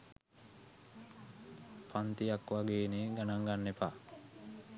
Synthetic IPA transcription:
pant̪ijakʋaɡeːneɡanaŋɡanːepaː

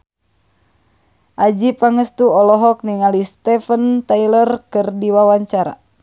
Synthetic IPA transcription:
ʔad͡ʒipaŋəst̪uɔlɔɦɔk̚niŋalist̪ɛfənt̪ailərkɨrdiwawaɲt͡ʃaɾa̰

